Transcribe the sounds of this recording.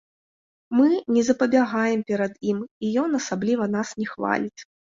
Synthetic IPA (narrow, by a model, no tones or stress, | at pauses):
mɨnʲɛzɐpɐbʲaɣajɛmpʲɛɾɐd̪jimijɔnɐsablʲivɐnasnʲɛxva̰lʲit͡sʲ